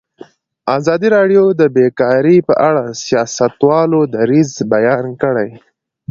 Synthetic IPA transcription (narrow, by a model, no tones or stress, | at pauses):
ɑzɑd̪iɾɑɖjod̪əbekɑɾipəʔaɽasijɑsat̪wɑlod̪aɾizbajɑnkəɽaj